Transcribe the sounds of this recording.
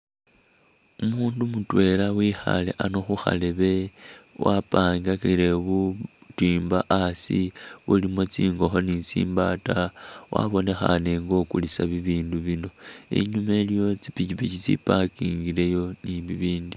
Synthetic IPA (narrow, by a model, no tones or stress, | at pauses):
umuːndumutwe̞lawiːxa̰le̞̰ʔano̞xuxa̰le̞βe̞wapaːŋɡaxile̞βutiːmbaʔasiβulimo̞t͡siːŋɡo̞xo̞nisḭːmbatawʔa̰βo̞ne̞xa̰ne̞ŋɡo̞kulisaβiβiːnduβino̞ḛɲumelijo̞t͡sipicipit͡ʃit͡sḭpakiŋɡiɾe̞jo̞niβiβiːndi